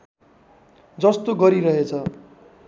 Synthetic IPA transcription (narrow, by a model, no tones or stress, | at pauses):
d͡zʌst̪oɡʌɾiɾʌɦet͡sʰʌ